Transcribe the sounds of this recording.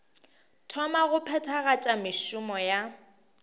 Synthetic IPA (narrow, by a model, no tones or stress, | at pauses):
tʰɔmaɣʊpʰɛtʰaɣat͡ʃʼamɪʃʊmɔja